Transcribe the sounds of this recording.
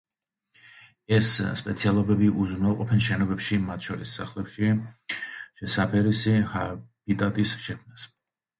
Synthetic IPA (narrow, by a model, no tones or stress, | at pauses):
ɛsːpʼɛt̪sʰialˠɔbɛbiʔuznaqʼɔpʰɛnʃɛnɔbɛpʃimat̪ʰʃɔɾisːaχlɛpʃi | ʃɛsapʰɛɾisihab̥it̪ʼat̪ʼisʃɛkʰmnas